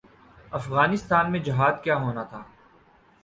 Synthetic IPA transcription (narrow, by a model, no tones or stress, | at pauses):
ɐfɣaːnɪst̪aːnmẽd͡ʒɪɦaːd̪kjaːɦoːnat̪ʰaː